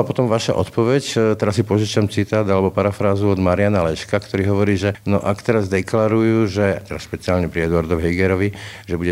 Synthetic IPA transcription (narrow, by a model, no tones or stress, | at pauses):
apɔt̪ɔmʋaʃa̰ʔɔt̪pɔʋɛct̪ɛɾasːipɔʒit͡ʃamt͡sit̪aːd̪alɛbɔpaɾafɾaːzuɔd̪maɾɪanalɛʃkakt̪ɔɾiːɦɔʋɔɾiːʒɛnɔʔakt̪ɛɾazd̪ɛklaɾujuːʒɛt̪ɛɾasʃpɛt͡siaːlɲɛpɾiɛd̪ʊaɾd̪ɔʋɦɛɡɛɾɔʋiʒɛbuɟɛ